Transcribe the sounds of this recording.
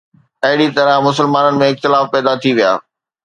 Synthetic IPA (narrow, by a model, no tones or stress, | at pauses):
ɐɦɪɽit̪ɐɾə̃mʊsəlmaːnənɪ̆mẽɪxt̪ɪlaːfpɛːd̪at̪ʰiʋija̰ː